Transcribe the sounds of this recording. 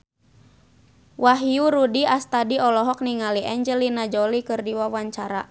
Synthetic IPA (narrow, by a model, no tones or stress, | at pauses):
waɦiuɾudiast̪adiɔlɔɦɔk̚niŋaliʔaɲd͡ʒɛlinad͡ʒɔlikɨrdiwawaɲt͡ʃaɾa̰